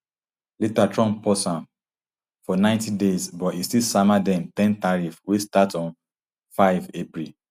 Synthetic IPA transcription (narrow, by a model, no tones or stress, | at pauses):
letatɹɔ̃npɔsãm | fɔnãɪ̃ntidezbɔtistisamadɛ̃mtɛ̃ntaɹifwestatɔ̃n | faɪvepɹi